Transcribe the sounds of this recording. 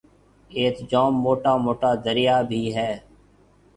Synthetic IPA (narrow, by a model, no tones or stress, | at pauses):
eːt̪d͡ʒoːmːoːʈaːmoːʈaːd̪əɾɪjaːbʱiːɦɛː